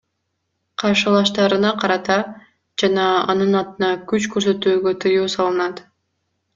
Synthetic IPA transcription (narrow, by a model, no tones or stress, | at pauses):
qʰɑɾʃɯlˠɑʃt̪ɑɾɯnɑqʰɑɾɑt̪ɑ | d͡ʒɑnɑɑ̰nɯnɑt̪ɯnɑkyt͡ʃkɵɾsø̞t̪yːɡø̞t̪ʰɯjuːsɑlˠɯnɑt̪